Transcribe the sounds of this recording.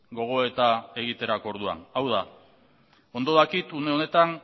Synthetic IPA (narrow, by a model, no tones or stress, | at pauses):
ɡo̞ɣ̞o̞e̞t̪ae̞ɣ̞it̪e̞ɾakoɾð̞ua̰nawð̞a | o̞nd̪o̞ðakit̪une̞o̞ne̞t̪an